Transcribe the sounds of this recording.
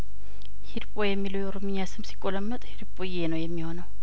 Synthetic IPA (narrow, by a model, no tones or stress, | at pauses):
hiɾpʼojɛmːiləwjɛoɾomiɲːasɨmsi̥kʼoləmːət̪ʼhiɾpʼojenəwjɛmːiho̞nəw